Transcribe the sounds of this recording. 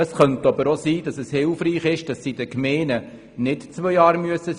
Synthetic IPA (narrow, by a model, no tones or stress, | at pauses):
əsχœntɑbəɾosiːd̥ɑsɛshɪlfriːχɪʃd̥ɑsːidəkmɛːnə | nɪtt͡sʋœjɑːɾmyəsə